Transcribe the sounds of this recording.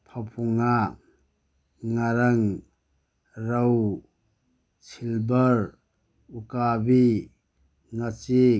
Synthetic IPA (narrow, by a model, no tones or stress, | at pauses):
pʰapʰuŋa | ŋaɾaŋ | ɾaw | t͡ʃʰilbɐɾ | ukabi | ŋat͡ʃi